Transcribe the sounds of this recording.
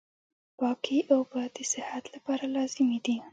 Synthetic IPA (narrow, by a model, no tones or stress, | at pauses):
pɑkiʔawbɑd̪əsɪhat̪lapɑɾalɑzɪmed̪i